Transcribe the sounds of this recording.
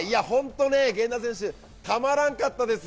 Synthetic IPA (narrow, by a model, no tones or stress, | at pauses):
iahõ̞nt̪o̞neɡẽ̞nd̪as̬ẽ̞ɰ̃ɕ̬ɨ | t̪amaɾãŋkat̪ːad̪e̞s